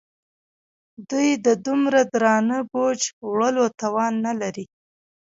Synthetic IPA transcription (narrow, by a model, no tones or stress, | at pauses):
d̪ujd̪əd̪umɾad̪ɾɑnəbod͡ʒwɽəlot̪awɑnːalaɾi